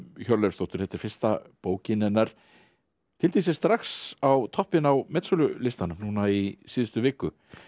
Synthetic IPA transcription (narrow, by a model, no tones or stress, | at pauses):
çœɾlɛst̪owht̪ʏɾ̥θɛht̪ɪɾ̥fɪ̥st̪a̰poːwcɪnɪnːaɾ̥ | t̪ʰɪlt̪es̬ɪ̥st̪ɾaxsawt̪ʰɔhpɪnawmɛt̪sɔlʏlɪst̪anʏmnuːnaisiːðʏst̪ʏvɪːkʏ